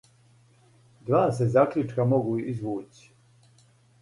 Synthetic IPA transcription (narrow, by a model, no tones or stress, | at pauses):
d̪ʋaːsezaklʲut͡ʃkamoɡuizʋuːt͡ɕi̥